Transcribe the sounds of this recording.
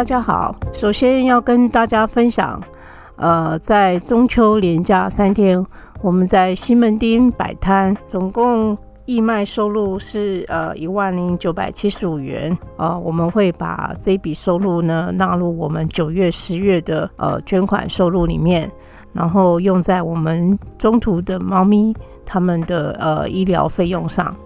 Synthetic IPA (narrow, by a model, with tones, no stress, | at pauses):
a˥˧t͡ɕja˥xɑ̰˨˩˦ʊʂo˨˩ʊɕjɛ˥njɑ˥˩ʊkə˥nt̪a˥˩t͡ɕja˥fə˥nɕjɑ̰˨˩˦ŋ | ə˧t͡sa˥˩ɪʈ͡ʂʊ˥ŋt͡ɕʰjo˧˥ʊljɛ˧˥nt͡ɕja˥˧sa˥nt̪ʰjɛ˥n | wɔ˨˩mə˧˦nt͡sa˥˩ɪɕi˥nmə˧˥nt̪i˥ŋpa̰˨˩ɪt̪ʰa˥nt͡sʊ˨˩ŋkʊ˥˧ŋ | i˥˧ma˥˧ɪʂo˥˧ʊlu˥˧ʂɻ̩˥˩ə˧˩i˧˥wa˥˩nli˧˥ŋt͡ɕjo˧˥ʊpa̰˨˩ɪt͡ɕʰi˥ʂɻ̩˧˥u˨˩ɥɛ̰˧˥nə˧wɔ˨˩mə˦nxwe˥˩ɪpa̰˨˩t͡sɤ˥˩pi˨˩ʂo˥˧ʊlu˥˩nə˨na˥˧lu˥˩wɔ˨˩mə˦nt͡ɕjo˨˩ʊɥɛ˥˩ʂɻ̩˧˥ɥɛ˥˩d̪ə˩ə̰˨˧t͡ɕɥɛ˥nkʰwa̰˨˩nʂo˥˧ʊlu˥˩lḭ˨˩mjɛ˥˩n | ɻa˧˥nxo˥˧ʊjʊ˥˧ŋt͡sa˥˩ɪwɔ˨˩mə˦nʈ͡ʂʊ˥ŋt̪ʰu˧˥d̪ə˧mɑ˥˧ʊmi˥ | t̪ʰa˥mə˨nd̪ə˨˩ə̰˩i˥ljɑ̰˧˥ʊfe˥˧ɪjʊ˥˧ŋʂɑ̰˥˩ŋ